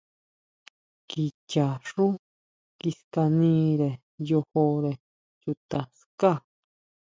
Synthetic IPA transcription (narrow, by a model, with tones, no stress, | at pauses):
ki˨t͡ʃa˨ʂu˦ | ki˧ska˧nĩː˦ɾe˨ | jo˧ho˧ɾe˨ | ju˧t̪a˨ska˦˨